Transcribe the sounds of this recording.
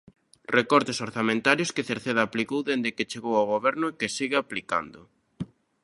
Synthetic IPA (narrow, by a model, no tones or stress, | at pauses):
rʔekɔɾt̪esoɾθamẽnt̪aɾjʊskeθeɾθeðaːplikowðend̪ekɪt͡ʃeɣowawɣoβɛɾnʊekɪsiɣɪaplika̰nd̪ʊ̰